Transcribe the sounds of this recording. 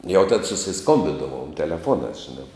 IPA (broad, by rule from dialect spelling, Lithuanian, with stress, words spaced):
jɛʊ tɐt sʊsʲɪˈskoːmʲbʲɪdɐʋoːm tʲɛlʲɛˈfuɔnɑːs ʒʲɪˈnɑː